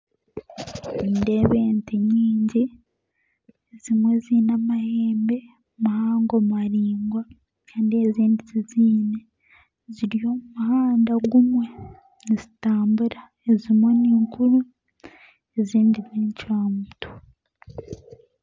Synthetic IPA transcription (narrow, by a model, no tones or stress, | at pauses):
indeβe̞ːnteɲiːɲɟi | ez̥imwe̞ziːnamaheːmbe̞ | mahaːŋɡomaɾiːŋɡwa | kʰaːndieziːndiziziːne | ziɾjo̞mumuhaːndaɡumwe̞ | nizitaːmbuɾa | ezimwe̞niːŋkuɾu | eziːndiβiːɲcwaːmutʰo̥